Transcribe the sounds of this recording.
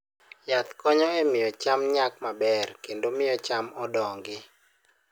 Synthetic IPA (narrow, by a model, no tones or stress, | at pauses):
jat̪kɔɲɔemɪjɔt͡ʃamɲakmabɛrkendomɪjɔt͡ʃamɔdɔŋɡɪ